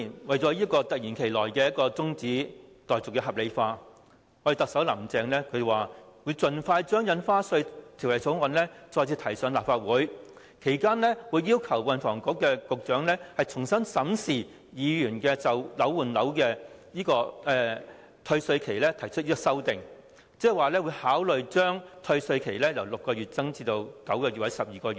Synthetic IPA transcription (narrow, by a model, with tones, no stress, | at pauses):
i˨˩nwɐ˨jt͡sɔː˨˥jiː˥kːɔː˧t̪ɐ˨k̚jiː˨˩nkʰe˨˩jlɔː˨˩jkɛː˧jɐ˥t̚kɔː˧t͡sʊ˥ŋt͡siː˨˥t̪ɔː˨jt͡sʊ˨˩kːɛː˧ɦɐ˨p̚le˨˧jfaː˧ | ɔ˧de˨˩t̪ɐ˨k̚sɐ˨˥wlɐ˨˩mt͡sɛː˨˧ŋlɛː˥kʰɵ˧twaː˨wu˨˧jt͡sɵ˨nfaː˧jt͡ʃœː˥ŋjɐ˨˧nfaː˥sɵ˧ɥt̪ʰi˨˩wlɐ˨˩jt͡sʰo˨˥wŋɐ˨˧nlɛː˥t͡sɔː˧t͡sʰiː˧t̪ʰɐ˨˩jsœː˨˧ŋlaː˨˩pfaː˧t̚wuː˨˥j | kʰe˨˩jkaː˥nlɛː˥wuː˨˧jːiː˥wkʰɐ˨˩wwɐ˨˧nfɔː˨˩ŋkɔː˨˥kːɛː˧kʊ˨k̚t͡ʃœː˨˥ŋlɛː˥hɐ˨jt͡sʰʊ˨˩ŋsɐ˥nsɐ˨˥msiː˨˩ | jiː˨˧jyː˨˩nkɛː˧t͡sɐ˨wlɐ˨˥wwuː˨˩nlɐ˨˥wkɛː˧jiː˥kɔː˧ɛː˧˩ | t̪ʰɵ˧ɥsɵ˧ɥkʰe˨˩jlɛː˥t̪ʰɐ˨˩jt͡ʃʰɵ˥t̚jiː˥kɔ˧sɐ˥wt̪ɪ˨ŋ | t͡sɛː˥˨waː˨˩lɛː˥wuː˨˧jhaː˨˥wlɵ˨ɥt͡ʃœː˥ŋt̪ʰɵ˧ɥsɵ˧ɥkʰe˨˩jlɛː˥jɐ˨˩wlʊ˨kːɔː˧ɥyː˨t̚t͡sɐ˥ŋt͡siː˧t̪o˧wkɐ˨˥wkɔː˧y˨t̚wɐ˨˥jsɐ˨p̚jiː˨˩kɔː˧y˨